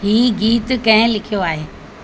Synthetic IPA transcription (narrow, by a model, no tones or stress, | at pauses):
ɦiːɡiːt̪kɐ̃ɦɪ̃lɪkʰijoaːɦeː